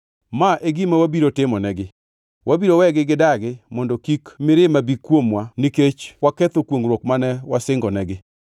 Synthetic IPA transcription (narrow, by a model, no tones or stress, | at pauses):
maʔeɡimawabiɾotɪmɔnɛɡɪ | wʔabiɾowɛɡɪɡɪdaɡɪmɔndɔkikmɪɾɪmabikwomwaniket͡ʃwakɛt̪okwoŋɾwokmanɛwasɪŋɡɔnɛɡɪ